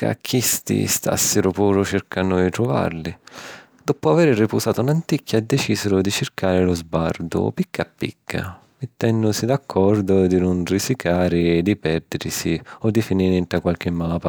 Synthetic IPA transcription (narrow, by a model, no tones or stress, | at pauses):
ka̰kʰːist̪ḭst̪a̰sːɪɾʊpuːɾʊt͡ʃɪrkanːʊd̪it̪ɾʊva̰rlɪ | d̪̥ɔpʊavɛːɾripuzaːt̪ʊunant̪ikʰːad̪ːɛt͡ʃiːzɪɾʊd̪it͡ʃɪrkaːɾɪlʊzbard̪ʊ̰pikʰːapːḭkʰːa̰ | met̪ːɛnːʊsid̪akʰːɔrd̪ʊd̪inʊnrisikʰaːɾɪːd̪ipɛrd̪ɪɾsiɔd̪ifiniɾɪnt̪akwalk̟ɪmːaːpa